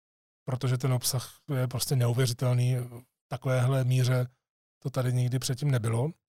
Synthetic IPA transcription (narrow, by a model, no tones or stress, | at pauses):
pɾo̞t̪o̞ʒɛt̪̬ɛnopsaxjɛp̬ɾo̞scɛnɛuvjɛrɪt̪ɛlniːft̪akovɛːɦlɛmiːr̝ɛ | t̪o̞t̪adɪɲɪɡdɪpr̥ɛt̪̚cimnɛbɪlo̞